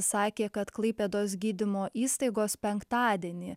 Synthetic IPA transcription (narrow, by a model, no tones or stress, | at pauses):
sɑːkʲeːkɐt̪klˠɐɪpʲɛd̪oːsɡʲiːd̪ʲɪmoːʔiːst̪ɐɪɡoːspʲɛŋkt̪ɑːd̪ʲiɛnʲi